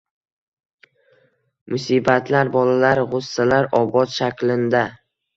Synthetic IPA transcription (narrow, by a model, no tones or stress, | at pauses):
mʊsibat̪ʰlaɾbɒlalaɾʁʊsːalaɾɒbɒt̪ʃakʲlɪnd̪a